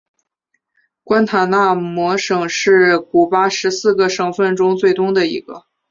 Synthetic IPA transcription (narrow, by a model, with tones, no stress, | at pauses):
kwa˥nt̪ʰa˨˩na˥˩mwɔ˧˥ʂɤ˨˩ŋʂɻ̩˥˩ku˨˩pa˥ʂɻ̩˧˥sɹ̩˥˩ɡə˩ʂɤ˧˥ŋfə˥˩nʈ͡ʂʊ˥ŋt͡swe˥˩ɪt̪ʊ˥ŋd̪ə˨ḭ˧˥ɡə˧